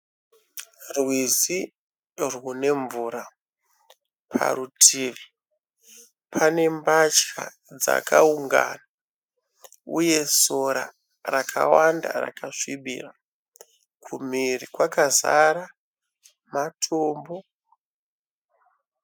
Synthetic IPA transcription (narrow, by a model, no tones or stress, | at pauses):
rwizi | rwune̞ɱvuːɾa | pʰa̰rutʰiːʋi | pʰane̞mbat͡ʃka̰ | d͡za̰kʰauŋɡa̰na | uje̞so̞ɾa | rakʰa̰wanda̰ra̰kaʂiɓḭra | kʰum̤irikwakazaɾa | matʰoːmbo̞